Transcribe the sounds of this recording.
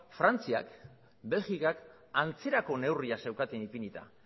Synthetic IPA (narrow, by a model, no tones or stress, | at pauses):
fɾant͡sia̰k | be̞lɣikak | ant͡se̞ɾako̞ne̞wriasewkat̪enipinit̪a̰